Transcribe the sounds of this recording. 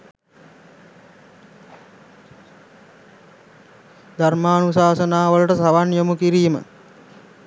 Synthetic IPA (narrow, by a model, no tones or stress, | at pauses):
d̪armaːnusaːsənaːʋələʈəsaʋanjomukiɾiːmə̰